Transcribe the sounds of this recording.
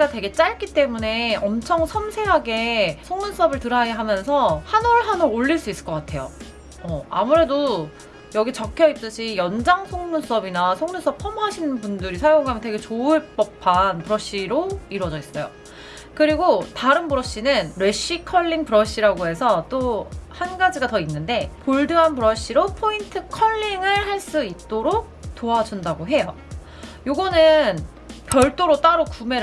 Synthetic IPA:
ɡatwe̞ɡe̞t͡ɕ͈aɭk͈it͈e̞mune̞ʌmt͡ɕʰʌŋsʰʌmsʰe̞ɦaɡe̞sʰoŋnuns͈ʌbɯɭtɯɾɦajaɦamjʌnsʰʌhanuɭɦanuɾoʎːiɭs͈uis͈ɯ̥ɭk͈ʌk͈atʰe̞jo̰ | ʌa̰muɾe̞do | jʌɡit͡ɕʌkʰjʌip̚t͈ɯɕʰijʌnd͡ʑaŋsʰoŋnus͈ʌbinasʰoŋnus͈ʌpʰʌmɦaɕʰinɯnpundɯɾisʰajoŋɡoɦamjʌntwe̞ɡet͡ɕoɯɭp͈ʌpʰanpɯɾʌɕ͈iɾoiɾwʌd͡ʑʌis͈ʌjo̰ | kɯɾiɡotaɾɯnpɯɾʌɕ͈inɯnɾwe̞ɕ͈ikʰʌɭːiŋpɯɾʌɕ͈iɾaɡoɦe̞sʰʌt͈ohanɡad͡ʑiɡatʌinːɯnde̞poɭdɯɦanpɯɾʌɕ͈iɾopʰointʰɯkʰʌɭːiŋɯɭhaɭs͈uit̚t͈oɾok̚t͈oad͡ʑundaɡoɦe̞jo | joɡʌnɯn | pjʌɭt͈oɾot͈aɾokume̞

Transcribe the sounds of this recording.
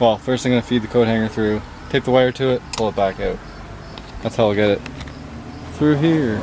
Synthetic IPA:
wɛlˠfɜ˞stãŋɡʌnəfid̪̚ðɨkʰoʊɾ̚hæ̃ŋə˞θɹʉ | tʰeɪk̚ðəwaɪə˞tʰɨɪt̚pʰʊlˠət̚b̥ækaʊt̚ | ðætshaʊaɡɛɾɪt̚ | θɹʉɦiɹ

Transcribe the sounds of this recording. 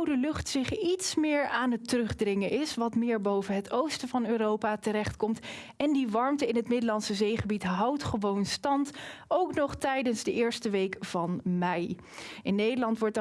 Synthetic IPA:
wdəlɵχtsɪχitsmɪːɹaːnɦətərɵχdrɪŋənɪsʋɑtmɪːɹbowvənɦətowstəvɑnøːrowpatəɾɛχtkɔmt | ɛndiʋɑɹmtəɪnɦətmɪdəlɑnsəzejχəbitɦɑwtχəʋownstɑntowknɔχtɛjdənzdəʔɪːɹstəʋejkv̥ɑnmɛj | ʔɪnːejdəlɑntʋɔɹt

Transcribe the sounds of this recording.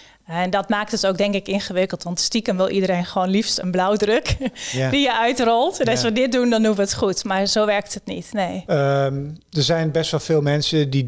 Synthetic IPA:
ɛndɔtmaːk̚tɔsowk̚dɛŋkɪkɪnxəʋɪkəlˠtʋɔntstikənʋɪlˠʔidəɾejnxəʋoːnlifstənblawdrøkdijəʔœɥtrɔlˠtnɔsʋədɪt̚dundɔnduʋəətχutmarzoːʋɛrk̚tətnḭtneːmdərzɛjnbɛstʋɔlˠfɪːlˠmɛnsədi

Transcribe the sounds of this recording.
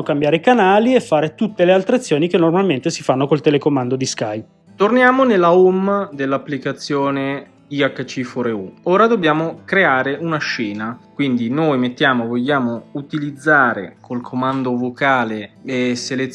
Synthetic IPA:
okambjaːɾeikanaːliɛfːaːɾet̪ut̪ːelealt̪ɾeat̪sːjoːnikenːormalment̪esifanːokolt̪elekomand̪od̪iskaj | t̪ornjaːmonelːaomːd̪elːapːlikat̪sːjoːne | iakːat͡ʃːifɔɾeuoːɾad̪objaːmokɾeaːɾeunaʃɛːnakwind̪inojmet̪ːjaːmovoʎːaːmout̪ilid̪zːaːɾḛkʰolkʰomand̪ovokaːleeselet̪

